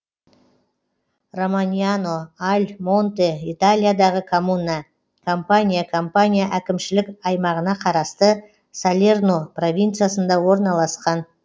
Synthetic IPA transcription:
romanʲijano̞alʲmo̞nt̪eit̪alʲijad̪ɑʁəkʰomuna | kʰo̞mpanʲijakʰo̞mpanʲijaʔækʲɪmʃɪlɪkʲɑjmɑʁənɑqʰɑɾɑst̪ə | salʲernopro̞vʲint̪sɨjasənd̪ɑwo̞ɾnɑlˠɑsqɑn

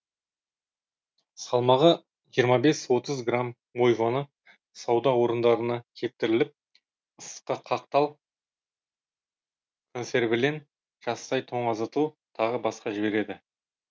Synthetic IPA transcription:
sɑlˠmɑʁə | ʒijəɾmɑbe̞swo̞t̪əzɡram | wo̞jvonə | sɑwd̪ɑwo̞ɾənd̪ɑɾənɑkʲʰe̞p̚t̪ɪɾɪlɪp̚ | əsqəqʰɑq̚t̪ɑwˠ | kʰonse̞rbɪlen | ʒ̥ɑst̪ɑjt̪ʰo̞ɴɑzət̪ə | t̪ʰɑʁəbɑsqɑʒɪbe̞ɾe̞d̪ɪ

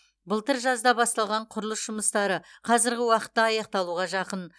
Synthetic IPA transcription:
bəlˠt̪əɾʒɑzd̪ɑbɑst̪ɑlˠʁɑɴqʰʊɾəlˠəsʒ̥ʊməst̪ɑɾəqʰɑzɪɾɡʲɪwɑqə̥t̪ːɑɑjɑq̚t̪ɑlˠuʁɑʒɑqən

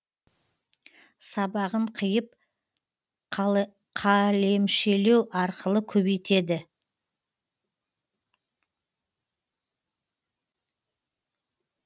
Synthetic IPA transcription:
sɑbɑʁəɴqʰəjəp̚ | qʰɑle̞mʃe̞le̞wʔɑɾqəlˠəkʲʰɵbejt̪e̞d̪ɪ

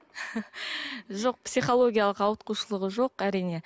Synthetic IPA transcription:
ʒoq̚psijχo̞lˠo̞ɡʲijalˠəqɑwət̪̚quʃəlˠəʁəʒo̞qæɾijne̞

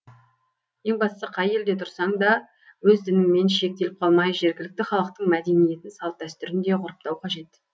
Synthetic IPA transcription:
je̞ŋbɑssəqʰɑje̞ld̪e̞t̪ʰʊɾsɑɴd̪ɑ | wɵzd̪ɪnɪmːe̞nʃe̞k̚t̪e̞lɪp̚qʰɑlˠmɑjʒe̞ɾɡʲɪlɪk̚t̪ɪχɑlˠəq̚t̪əɴmæd̪e̞nije̞t̪ɪnsɑlˠt̪̚d̪æst̪ʏɾɪnd̪e̞ʁʊɾəp̚t̪ɑwqʰɑʒe̞t̪

